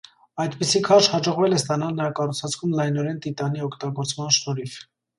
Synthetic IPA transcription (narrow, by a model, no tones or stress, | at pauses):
ɑjd̪pisikʰɑʃhɑd͡ʒɔʁvɛlɛst̪ɑnɑlnəɾɑkɑrut͡sʰvɑt͡sʰkʰumlɑjnɔɾɛnt̪it̪ɑniɔkʰt̪ɑɡɔɾt͡smɑnʃnɔɾifʰ